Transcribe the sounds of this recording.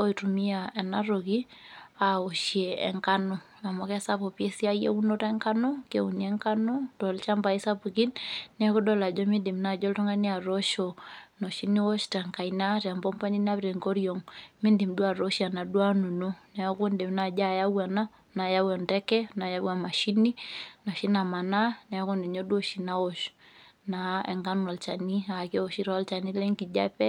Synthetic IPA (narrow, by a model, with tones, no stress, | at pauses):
o˦itu˨mi˦aɛ˨naɾo˨ki˦a˨o˨ʃjeɛ̰ŋka˦nɔ˨ | a˨mɔ˦kɛ˦sapɔ˨pjɛ˦si˦a˦jḛ˦u˦no˦tɛ˦ŋka˦no˦ke˨u˨niɛ˦ŋka˦no˦d̥ɔ˨lt͡ʃa˦mba˨i˦sa˦pu˨ki˦nnɛ˨˦ko˦dɔ˦la˨d͡ʒɔ˦midi˨mna˨d͡ʒɔ˦ltɔ˦ŋa˦nia˨ɾɔʃɔno˨ʃi˦ni˦wɔ˦ʃta˨ŋka˨ina˦ta˨mbɔ˦mpa˦ɲi˦na˦βɾe˨ŋko˦ɾjɔ˨ŋmi˦ndi˨mdu˦a˨ɾɔ˦ʃia˨na˨du˦a˦nu˨nu˦nɛ˨a˦ku˦ndɛ˨m˦na˨d͡ʒa˦˨ja˦wwa˨na˦ | na˨ja˦wa˨ntɛ˦kɛ˦na˨ja˦wwa˨ma˨ʃi˦ni˦nɔ˨ʃi˦na˨ma˨na˦nɛ˨a˦kɔ˦ndɛ˨ɲɔ˦du˦ɔ˦ʃi˨na˦wɔ˦ʃ | na˨ɛ̰˨ŋɡa˦nwa˨lt͡ʃa˨ni˦a˨kɛ˦ɔ˨ʃi˦ɾɔ˦lt͡ʃa˨ni˦lɛ˦ŋki˨d͡ʒa̰˦pɛ˦